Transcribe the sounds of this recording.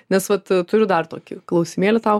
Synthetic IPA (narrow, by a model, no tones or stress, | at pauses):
nʲɛsʋɐt̪t̪ʊɾʲʊd̪ɐrt̪oːkʲɪklˠɐʊsʲɪmʲeːlʲɪt̪ɐʊ